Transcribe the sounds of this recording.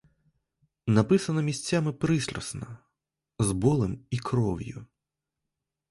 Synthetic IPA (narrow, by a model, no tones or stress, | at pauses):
nɐpɪsɐnɐmʲisʲt͡sʲːamɪpɾɪsɾʲɔ̰snɐ | zbɔlˠɪmikɾɔwjʊ̰